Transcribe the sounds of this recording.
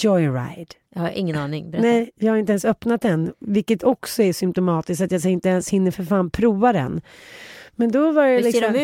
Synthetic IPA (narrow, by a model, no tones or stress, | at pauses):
d͡ʒɔjɾa̰jd̪̥jhaɾʔɪŋːənɑːnɪŋbnɛjjɑːɡhaɾɪnt̪̬əɛnsœpnat̪̚d̪ɛnvɪlkːət̪ʰɔksɔæʂʏmpt̪ʊmɑːt̪ɪsk̪at̪jaːs̬aɪnt̪əɛnshɪnːəɾfœɾfaːnpʰɾuːvad̪ɛ̰n | mɛnd̪ɔvaɾjɛlɪksɔm